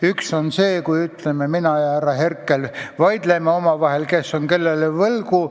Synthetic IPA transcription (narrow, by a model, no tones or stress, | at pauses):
ykso̞nse̞ːkujyt̪lememinɑjɑhæɾɑɦe̞rkˑːelvɑjd̪̥lemeo̞mɑvɑɦe̞lke̞sːonke̞lːelevɤlɡu